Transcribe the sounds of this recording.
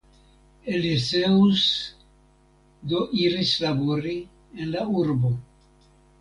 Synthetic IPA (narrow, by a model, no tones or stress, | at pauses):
eliseus | d̪oʔiɾislaboɾi | enlauɾbo̞